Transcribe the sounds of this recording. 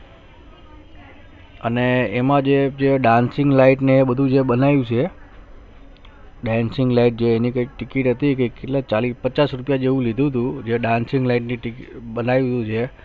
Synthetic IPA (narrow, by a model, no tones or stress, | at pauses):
əneːmãd͡ʒed͡ʒeɖãnsɪŋɡlaiʈneːbəd̪ʱũd͡ʒebənajũt͡ʃʰe | ɖãnsɪŋɡlaiʈ̚d͡ʒeːnikəik̚ʈɪkiʈɦət̪ikəkeʈlat͡ʃalipət͡ʃasɾupjad͡ʒeũlid̪ʱũt̪ũd͡ʒeɖãnsɪŋɡlaiʈniʈbənajũt̪ũt͡ʃʰe